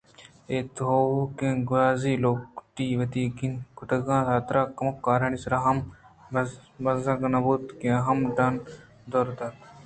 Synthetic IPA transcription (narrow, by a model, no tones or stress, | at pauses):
eːt̪ɦoːkẽɡaːziːloːkʈiːʋɐt̪iːɡinkʊʈ̪ɐɡãːt̪aːt̪ɾaːkɐmɐkːaːɾɐnisɾaɦɐm | bɐzɐɡɐnɐbuːt̪kẽɐɦɐmɖan | d̪oːɾd̪aːt̪